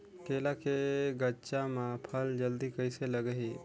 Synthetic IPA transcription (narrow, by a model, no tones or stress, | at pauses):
keːlakeɡət͡ʃamãpʰəld͡ʒəld̪ikəɪseləɡəɦi